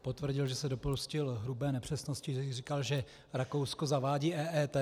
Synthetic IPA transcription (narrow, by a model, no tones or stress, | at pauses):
po̞t̪vr̩ɟɪlʒɛsɛdo̞poscɪlɦɾubɛːnɛpr̝̥ɛsnoscɪʒɛrikalʒɛ | ɾakowskozavaːɟiːʔɛːʔɛːt̪ɛ